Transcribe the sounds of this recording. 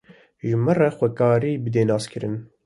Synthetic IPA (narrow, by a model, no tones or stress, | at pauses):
ʒɨmɨrɛxʷɛkɑːɾiːbɨd̪eːnɑːskʰɨɾɨn